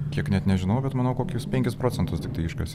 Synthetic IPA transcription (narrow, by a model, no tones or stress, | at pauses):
kʲiɛknʲɛt̪nʲɛʒʲɪnɐʊbʲɛt̪mɐːnɐʊkoːkʲuspʲɛŋʲkʲɪspɾoːt̪sʲɛnt̪ʊst̪ʲɪkt̪ɐɪɪʃkʲo̰sʲ